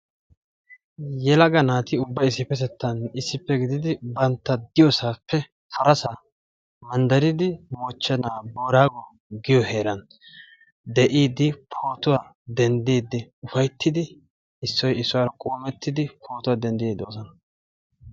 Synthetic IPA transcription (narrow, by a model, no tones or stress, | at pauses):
jɛlɐɡɐnaːt̪ɪʊbːɐjɪs̬ːɪpːɛt̪ɛt̪ːɐnɪsːɪpːɛɡɪd̪ɪd̪ɪbɐnt̪ːɐd̪ɪjɔsaːpʰːɛ | fʰɐɾɐsɐ | mɐnd̪ɐɾɪd̪ɪmɔt͡ʃːɛnaːboːɾaːɡɔ | ɡɪjɔheːɾɐn | d̪ɛʔiːd̪ɪpʰoːt̪ʊwa | d̪ɛnd̪iːd̪ːɪʊfɐjt̪ʰːɪd̪ɪ | ɪsːɔjɪsːʊwaɾɐkʼoːmɛt̪ːɪd̪ɪpʰo̞ːt̪ʊwad̪ɛnd̪ɪjeːd̪oːsɔnɐ